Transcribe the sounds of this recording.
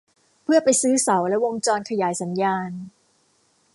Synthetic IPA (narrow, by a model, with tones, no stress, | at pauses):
pʰɯ˥˩ɐpa˧jsɯː˦˥sa˩˦wlɛ˦˥wo˧ŋt͡ɕɔː˧nkʰa˧jaː˩˦jsa˩˦njaː˧n